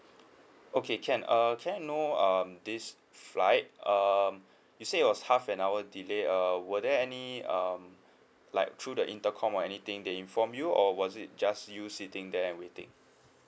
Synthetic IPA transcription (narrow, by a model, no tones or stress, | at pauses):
ʔokʰekʰɛ̃nʌkʰɛ̃njunoʌmdis | flaɪt̚ʌm | juseit̚wɔshafɛ̃nawədileʌwədɛɛniʌm | laɪk̚tʰɹudəʔĩntəkʰɔ̃mɔɛnit̪ɪ̃ŋdeĩnfɔ̃mjuɔwɔzit̚d͡ʒasjusitɪ̃ŋdɛɛ̃nwetɪ̰̃ŋ